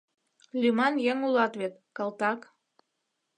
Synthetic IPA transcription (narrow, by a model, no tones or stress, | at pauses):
lʲymɑnjeŋulɑt̪βet̪kɑlˠt̪ɑk